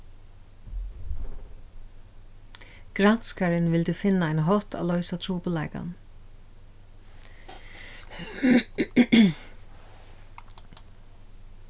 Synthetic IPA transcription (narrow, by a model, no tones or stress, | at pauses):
ɡ̥ɾan̥skaɾɪnʋɪld̪ʉfɪnːaaɪnɦɔt̪ʰa̰ːlœʏsat̪ʰɾuːpʊlaɪka̰n